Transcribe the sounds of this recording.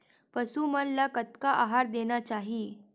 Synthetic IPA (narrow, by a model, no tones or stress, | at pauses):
pəsuməlːakət̪̚kaʔaɦaɾd̪enat͡ɕaɦi